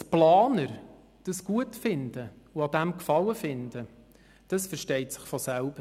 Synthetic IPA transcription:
tplɑːnəɾ | d̥əsɡ̥uətfɪnd̥əuɑdæmkfɑləfɪndə | d̥ɑsfəɾʃtɛɪtsɪ̥χfɔsælb̥əɾ

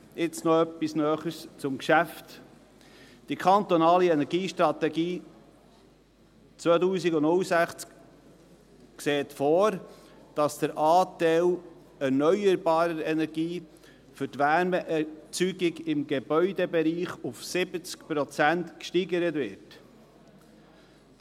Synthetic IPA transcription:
ɪt͡snɔœpːisnœːχəst͡sʊmkʃæft | d̥ikʰɑnt̪ɔnɑːliɛnɛɾɡiːʃtɾɑt̪ɛɡiː | t͡sʋœːtuːsiɡʊʊlsæχt͡sk | kseːt̪fɔːɾd̥ɑsd̥əɾʔɑːt̪ɛl | ɛɾnœʏəɾbɑːɾəɾɛnɛɾɡiː | fʏɾtʋæːɾmɛʔɛt͡syɡɪɡɪmɡebœʏdɛbɛɾiːχʊfsɪb̥ət͡skpɾɔt͡sænt̪kʃtiɡəɾətvɪɾt

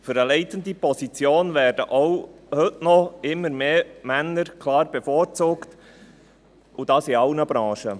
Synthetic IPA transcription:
fʏɾəlɛɪtəndipɔsit͡sjoːnvæːrd̥əʔowhɵtnɔɪmːəɾmeːmænːəɾkʰlɑːɾb̥ɛfɔːɾt͡suːkt | ʔʊd̥ɑːsiɑlnəb̥ɾɑ̃ːʃə

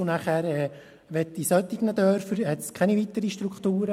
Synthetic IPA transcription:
ʊnæχæːɾɛː | ʋɛtdisœt̪iɡnəd̪œːɾfəɾhɛt̪skʰɛniʋit̪əɾiʃtɾukχt̪uːɾə

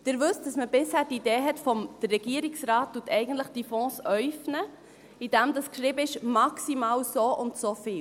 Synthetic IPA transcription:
d̥ɪɾʋʉstd̥ɑsməbɪshæːdideːɦɛtfɔmd̥ərːɛɡ̥iəɾiksɾɑːt̚tuətʰɛɪɡən̩tləχd̥iːfɔ̃ːsœʏfnə | idæmdɑskʃɾɪːbəɪʃmɑksimɑːlsoːʔʊntsofiːl

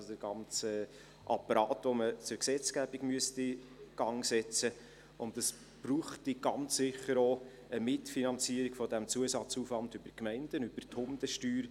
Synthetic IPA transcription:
od̥əɾɡ̥ɑnt͡sə | ʔɑ̰pːɑɾɑːtʋomət͡sʊɾksɛt͡sɡ̥æb̥iɡmyəsti | ɡ̥ɑŋsɛt͡sə | ʔʊntɑs | b̥ɾuːχtiɡ̥ɑnt͡ssɪχːəɾo | əmɪtfinɑnt͡siːəɾiɡ̥fɔdɛmt͡suəsɑt͡suːfvɑndybəɾkmɛɪnd̥ənyb̥əɾtʰhʊmd̥əʃtyːɾ

